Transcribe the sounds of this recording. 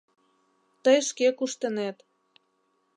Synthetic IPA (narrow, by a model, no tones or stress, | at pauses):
t̪əjʃkekuʃt̪ə̆net̪